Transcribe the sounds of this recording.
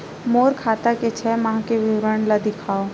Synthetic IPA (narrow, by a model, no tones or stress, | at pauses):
moːɾkʰaːt̪aket͡ʃʰɛːmãːkeʋɪwɾəɳlad̪ɪkʰaːo